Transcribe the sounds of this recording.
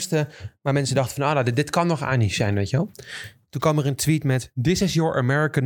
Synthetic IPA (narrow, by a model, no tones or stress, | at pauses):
stəʋaːmɛnsədɑχtəfɑnoːnaddɪtkɑnːɔχa̰ːnisɛjnʋejkəʋɛlˠ | tunkʋɑməɹəntʋitmɛtdɪsɪsjɔɹʔə̰mɛɹɪkən